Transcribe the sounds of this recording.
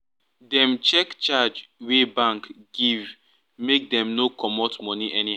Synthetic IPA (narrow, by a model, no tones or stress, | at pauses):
dɛ̃mt͡ʃɛkt͡ʃad͡ʒwebãŋkɡ̥iv | mek̚dɛ̃mnokʰɔmɔtmɔniʔɛnia